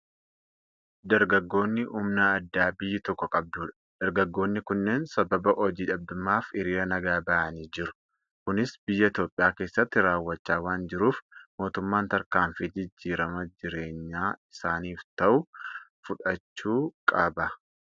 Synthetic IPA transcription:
d̪ɐɾɡɐɡːo̞ːnːɪʔʊmnɐːd̪ːaːbɪjːɪt̪ɔkːɔkʼɐb̚d̪uːᶑɐ̥ | d̪̥ɐɾɡɐɡːo̞ːnːɪkʊnːe̞ːnsɐbɐbɐʔɔd͡ʒiːᶑɐb̚d̪ʊmːaːfɪɾiːɾɐnɐɡaːbɐʔɐniːd͡ʒɪɾʊ̥ | kʊnɪsbɪjːɐɪt̪jo̞ːpʼːɪjaːkeːsːɐt̪ːɪɾaːwːɐt͡ʃːaːwaːnd͡ʒɪɾuːfmo̞ːt̪ʊmːaːnt̪ɐɾkaːɱfid͡ʒɪd͡ʒːiːɾɐmɐd͡ʒɪɾe̞ːɲːaːɪ̥saːniːft̪ɐʔʊfʊᶑɐt͡ʃːuːkʼɐbɐ

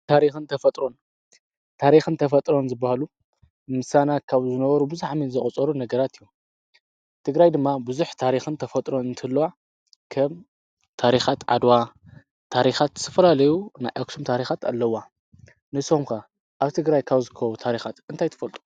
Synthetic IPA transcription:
t̪ʰaɾixɨnt̪ʰɐfɐt̪ʼɾo̞n | t̪ʰaɾixɨnt̪ʰɐfɐt̪ʼɾo̞nzɨbːahalu | mɨsanakʰaβzɨnɐβɐɾubɨzaħminzɨχʼɐt͡sʼɐɾunɐɡɐɾat̪ɨjːu | t̪ʰɨɡɾajd̪ɨmːabuzuħt̪ʰaɾixɨnt̪ʰɐfɐt̪ʼɾo̞nɨnt̪ʰɐlːɐwa | kʰɐm | t̪ʰaɾixat̪ʕa̰d̪wa | t̪ʰaɾixat̪zɨ̥t̪ʰɐfɐlalɐjuna̰jʔaksʰomt̪ʰaɾixat̪ʰa̰lːɐwːa | nɨso̞mkɐ | ʔaβt̪ʰɨɡɾajkʰaβzɨkʰɐwut̪ʰaɾixat̪ɨnt̪ʰajt̪ʰɐ̥fɐlt̪ʼu̥

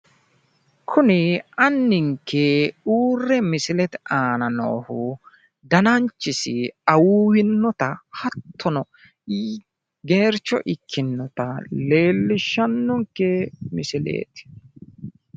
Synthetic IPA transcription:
kʰʊnɪɐnːɪŋkʰːeuːrːɛmɪsɪlɛt̪ɛaːnɐno̰ːhʊ | d̪ɐnɐnt͡ʃːɪsɪɐwuːwɪnːɔt̪ɐhɐt̪ʰːɔnɔ | ɡe̞ːɾt͡ʃːɔ̰ʔɪkʰːɪnːɔt̪ɐle̞ːlːɪʃːɐnːɔŋkːemɪsɪlḛːt̪ɪ̥

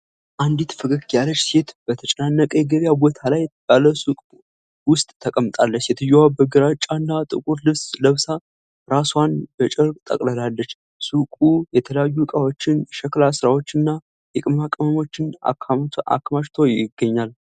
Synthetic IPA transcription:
ʔand̪it̪fɨkɨkt̪jalət͡ʃːset̪b̥ət̪ʰət͡ʃʼnanːəkʼəjɛɡəβjabo̞t̪ʰalajbaləsukʼ | wʊst̪ʼt̪ʰːəkʼəmt̪ʼalːət͡ʃːjɛt̪ʰɨjowabəɡɨɾat͡ʃʼanːat̪ʼɨ̰kʼuɾlɨβsləβsa | ɾaswanbət͡ʃʼəɾkʼt̪ʼə̰kʼləlalːət͡ʃː | sukʼujɛt̪ʰələjajːukʼawo̞t͡ʃːɪnɛʃəklasɨɾawo̞t͡ʃːɨnːa | jɛkʼɨmakʼəməmo̞t͡ʃːɪna̰kʰːa̰kʰːmaʃt̪ʰo̞jɪɡːəɲːal

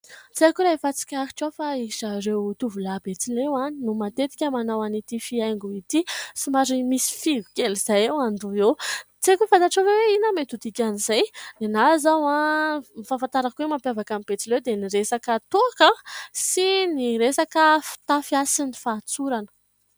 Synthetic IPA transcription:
t͡sekuɾafat͡si̥kʲaɾi̥ʈ͡ʂafaiʃaɾewt̪uvulab̥et͡silewaninumat̪et̪i̥kʲəmanawanit̪ifiajŋɡuit̪isimaɾimisi̥fivikʲeliz̥ajewand̪uew | t͡sekʲufant̪aʈ͡ʂoveweinamet̪ud̪ikʲanizajd̪enazawãmifafant̪aɾakuwemampjavakamib̥et͡silewd̪eniɾesakət̪oakəsiniɾesakəfi̥t̪afiasinifat͡suɾanə̥

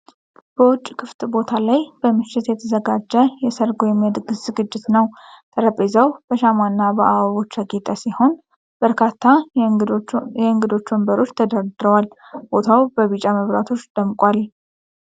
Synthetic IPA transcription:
b̥əwʊt͡ʃʼːkʰɨft̪ʼbo̞t̪ʰalajb̥əmɨʃːɪt̪jɛt̪ʰəzəɡad͡ʒːəjɛsəɾɡojɛmːiɛd̪ɡɨszɨɡɨd͡ʒːɪt̪nəwt̪ʰəɾəpʼːezəwb̥əʃamanːabəʔaaβo̞t͡ʃːɾəɡet̪ʼasiho̞n | b̥əɾkʰat̪ʰːa | jɛɨŋɡɨd̪o̞t͡ʃːwəmbəɾo̞t͡ʃːt̪ʰəd̪əɾd̪ɨɾəwalb̥o̞t̪ʰawbəβit͡ʃʼaməβɾa̰t̪ʰo̞t͡ʃːd̪̥əmkʼwal

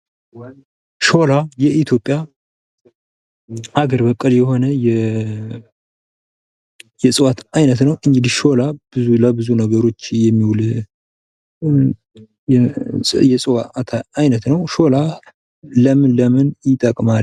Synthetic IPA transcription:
ʃo̞lajɛit̪ʰjo̞pʼja | aɡəɾbəkʼːəljɛho̞nəjɛ | jɛsʼɨwat̪ʰajnət̪nəwʔɨnd͡ʒɪd̪iʃo̞lab̥ɨzulabɨzunəɡəɾo̞t͡ʃːjɛmːiwul | jɛsʼwat̪ʰajnət̪nəwʃo̞la | ləmɨnləmɨnjɪt̪ʼəkʼmal

